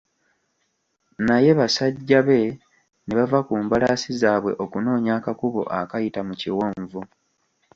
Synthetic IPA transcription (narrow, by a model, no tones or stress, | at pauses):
naje̞βasaɟːaβe̞ | neβavakuːmbalasizaːβwe̞̰ʔo̞kuno̞ːɲaːkakuβo̞̰ʔa̰kajitamuciwoːɱvu